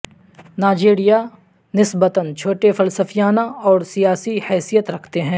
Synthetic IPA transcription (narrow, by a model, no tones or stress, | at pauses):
naːd͡ʒeːɾija | nɪsbət̪ənt͡ʃʰoːʈefɐlsəfijaːnaɔːɾsijaːsihɛːsijət̪ɾɐkʰt̪eɦɛ̃ː